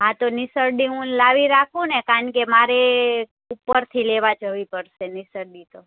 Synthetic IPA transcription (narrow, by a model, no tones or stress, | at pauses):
ɦãt̪onɪsəɾɖiɦũlaʋiɾakʰũnekaəɳkemaɾe | upːəɾt̪ʰileʋad͡ʒəʋipəɾʃenisəɾɖit̪o